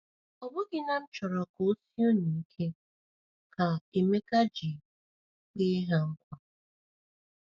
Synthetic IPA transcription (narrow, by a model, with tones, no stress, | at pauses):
ɔ˨bʊ˦ɡɪ˦na˨n̩˦t͡ʃɔ˨ɾɔ˨ko˨˦si˦o˦ni˨kʰe˦ | kʰa˨e˨me˦ka˦d͡ʒi˨ | k͡pɪ˦ɦa˦ŋ̩˦kʷa˦